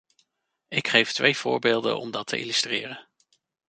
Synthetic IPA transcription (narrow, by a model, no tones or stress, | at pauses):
ɪkχejftʋejv̥ʊ̰ːɹbeːlˠdə̰nɔ̰mdɑtʰəʔḭlystrɪːrən